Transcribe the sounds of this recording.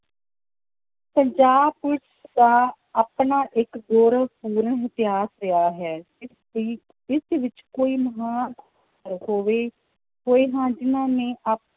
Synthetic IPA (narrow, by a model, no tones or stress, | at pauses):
pəɲd͡ʒaːbpʊɾt͡ʃʰd̪aː | aːpnaːʔɪkɡoːɾəʋpuːɾəɳɦɪt̪ɪɦaːsɾɪaːɦɛː | ɪsʋɪt͡ʃkoːiːməɦaːn | ɾhoːʋeː | ɦoːeːɦãːd͡ʒɪnãːnẽːʔap